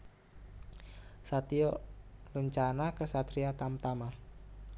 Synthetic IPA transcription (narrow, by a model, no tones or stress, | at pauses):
sat̪iɔləɲt͡ʃanakəsat̪ɾiat̪amt̪ama